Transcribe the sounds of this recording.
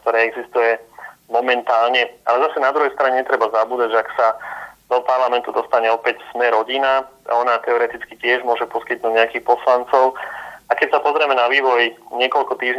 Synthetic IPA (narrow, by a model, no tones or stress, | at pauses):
kt̪ɔɾɛːɛɡzist̪ujɛmɔmɛnt̪aːlɲɛalɛzasɛnad̪ɾuɦɛjst̪ɾaɲɛɲɛt̪ɾɛbazabuːd̪aɟʒɛaksad̪̥ɔpaɾlamɛnt̪ud̪ɔst̪aɲɛɔpɛcsmɛɾɔɟinaa̰ɔnat̪ɛɔɾɛt̪it͡skicɪɛʒmʊɔʒɛpɔskit̪nuːɟɲɛakixpɔslant͡sɔʊakɛcsapɔzɾɛmɛnaʋiːʋɔjɲɪɛkɔlkɔt̪iːʒɲ